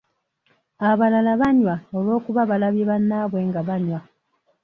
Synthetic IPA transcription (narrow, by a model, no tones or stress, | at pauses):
aβalalaβaɲwaolwo̞ːkuβaβalaβjeβanːaβwe̞ŋɡaβaɲwa